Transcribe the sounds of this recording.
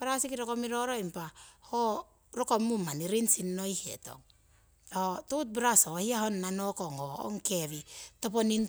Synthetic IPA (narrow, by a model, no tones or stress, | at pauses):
paɾasikiɾokomiɾoɾoimpaho | ɾokomːumaniɾinsinːojhḛto̰ŋ | otut̬̚bɾasohiahonːanokoŋhoo̰ŋkeβitoponin